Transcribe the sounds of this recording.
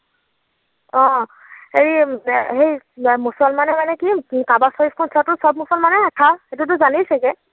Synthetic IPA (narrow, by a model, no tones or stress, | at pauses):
ɔ̃ | heɹihej | musɔlmanɛmanɛkikabasɔɹipkʰɔnsɔtʊsɔb̚musɔlmanɛakʰaxet̬ʊt̬ʊzanisɛkɛ